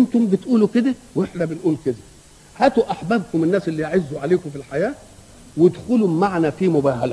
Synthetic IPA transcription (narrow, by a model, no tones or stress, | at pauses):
ʔent̪ombɪt̪ʔuːluked̪æweħdæbenʔuːlked̪æ | hæːt̪uʔaħbæːbkʊmenːæːselːijʕezːuʕaleːkʊfilħajæː | wed̪xʊlumaʕnæfimʊbæːɦælæ